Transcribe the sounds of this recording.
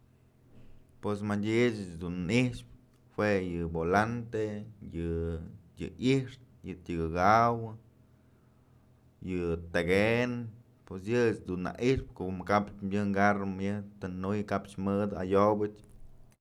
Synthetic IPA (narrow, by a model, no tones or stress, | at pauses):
pwes̬madʲit͡ʃt͡ʃd̪unihʂp̚ | hwejɨbolant̪ejɨjɨ̰ʔiʂt̪ | jɨt̪ʲɨɡɨɡawɨ | jɨt̪aɡen | pwesjɨet͡ʃd̪unːa̰ʔiʂpkoʔmɨkapt͡ʃmjɨŋɡarɨmjɨt̪ɨnujkapt͡ʃmɨd̪ɨa̰jobɨt͡ʃ